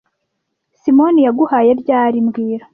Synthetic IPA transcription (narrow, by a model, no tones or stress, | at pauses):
simo̞nijaɡuhaje̞ɾɟaːɾimɡiːɾa